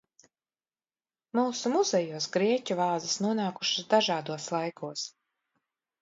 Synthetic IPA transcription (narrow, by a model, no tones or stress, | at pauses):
muːsumuzɛjuɔsɡɾiɛcuvaːd̪zisnuɔnaːkuʃasd̪aʒaːd̪uɔslˠajkʰuɔs